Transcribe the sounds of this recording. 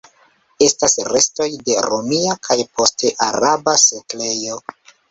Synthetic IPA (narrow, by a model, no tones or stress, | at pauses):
e̞stasɾe̞sto̞jde̞ɾomiakʰajpo̞ste̞ʔaɾabasekle̞jo̞